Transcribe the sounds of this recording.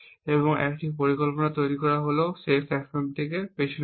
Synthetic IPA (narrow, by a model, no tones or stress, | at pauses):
eβɔŋɛ̰kʈipoɾikolponat̪ojɾikɔɾaɦolosepʰɛksemt̪ʰekepeʃn